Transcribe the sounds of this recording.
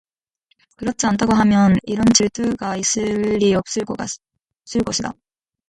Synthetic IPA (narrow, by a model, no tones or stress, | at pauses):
kɯɾʌt̚t͡ɕ͈iantʰaɡoɦamjʌniɾʌnt͡ɕiɭt͈ʰɯɡaisɯɭɾiop̚s͈ɯɭ | s͈ɯɭk͈oɕʰida̰